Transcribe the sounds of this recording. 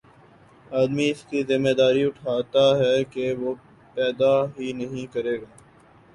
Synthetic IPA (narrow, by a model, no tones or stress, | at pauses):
aːd̪miɪskizɪmːed̪aːɾiʊʈʰaːt̪aɦɛkeʋoː | pɛːd̪aɦinɐɦĩkɐɾeːɡaː